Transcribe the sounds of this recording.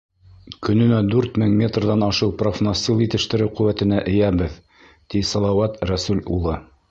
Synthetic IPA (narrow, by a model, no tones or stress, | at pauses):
kɵ̆nɵ̆næd̪ʉɾt̪mɘŋmʲe̞t̪rðɑnɑʃɤwprofnosʲt̪ʲːilˠjit̪ɘ̆ʃt̪ɘ̆ɾɘwqɵ̆wæt̪ɘ̆næʔɘ̆jæbɘð | t̪isɑlˠɑwɑt̪ɾæsʉlʲulˠɤ